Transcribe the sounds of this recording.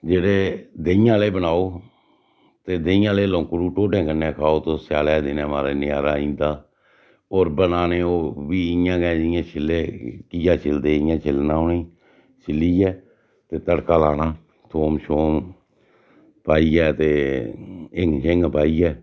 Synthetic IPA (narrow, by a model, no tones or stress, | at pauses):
d͡ʒeːɽeːd̪eːɪjãːleːbənaːoː | t̪eːd̪eɪ̃jãːleːlõːŋkɾuːʈoːʈẽːkəneːkʰaːoːt̪õːsaːlɛːd̪ɪnɛ̃ːmaːɾeːnɪjaːɾaːĩːnd̪aː | oːɾbənaːneːoːʋiːɪjãːɡɛ̃ːɪjãːt͡ʃʰɪlːeːkijaːt͡ʃʰɪld̪eːɪjãːt͡ʃʰɪlnãːʊnĩː | t͡ʃʰɪliːɛː | t̪eːt̪əɽkaːlaːnãː | t̪ʰoːmʃoːm | paːiːɛːt̪eː | ɪŋɡʃɪŋɡpaːiːɛː